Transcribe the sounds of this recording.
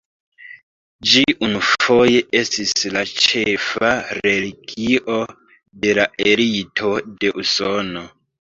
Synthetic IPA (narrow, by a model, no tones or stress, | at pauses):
d͡ʒiʔunufo̞je̞ʔe̞stislat͡ʃe̞faɾe̞liɡiʔo̞ | de̞laʔe̞ɾitʰo̞de̞ʔuso̞no̞